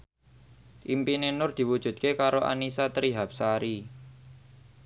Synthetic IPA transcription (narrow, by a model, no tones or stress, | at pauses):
ʔimpinenʊrd̪̥i̤wud̥ʒ̥ṳd̪̚kekaɾoʔa̰nisat̪əɾiɦap̚saɾi